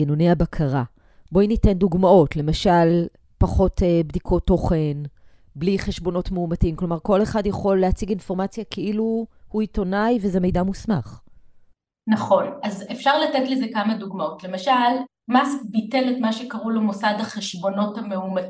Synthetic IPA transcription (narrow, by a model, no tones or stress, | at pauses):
inonejabakʰaʁa | bo̞inite̞nduɡmao̞tle̞maʃal | paχo̞tebdikʰo̞tːo̞χen | bliχeʃbo̞no̞tmeumatiimklo̞maʁko̞leχadjaχo̞lːeat͡siɡinfo̞ʁmat͡sjakʰeʔiluhuito̞najvezeme̞jdamusma̰χ | naχo̞nazefʃaʁlatetlezekamaduɡmao̞tle̞maʃal | masbiteletmaʃekaʁulemosad̪haχeʃbo̞no̞thameuma